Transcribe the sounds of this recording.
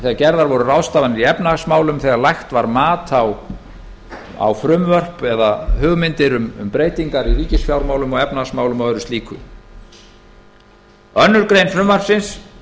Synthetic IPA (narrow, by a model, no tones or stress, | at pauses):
θɛɣaɾcɛɾðaɾvɔɾʏrawst̪aːvanɪɾiɛpnasmaːwlʏmθɛɣaɾlajxt̪vaɾmaːt̪ʰaw | a̰wfɾʏmvœr̥pɛðahʏːɣmɪnt̪ɪɾʏmʏ̰mpɾeːjt̪iŋkaɾiviːcɪsfjawɾmaːwlʏmɔɣɛpnasmaːwlʏmawɛɾʏst̪liːkʰʏ̰ | œnːʏɾkɾejnfɾʏmvar̥psɪns